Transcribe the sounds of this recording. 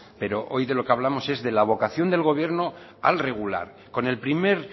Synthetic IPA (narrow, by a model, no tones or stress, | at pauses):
pe̞ɾo̞ʔo̞jðelo̞keaβ̞lamo̞se̞zðe̞laβ̞o̞kaθjo̞nd̪e̞lɣo̞β̞je̞ɾno̞ | a̰lre̞ɣ̞ula̰ɾ | kone̞lpɾime̞ɾ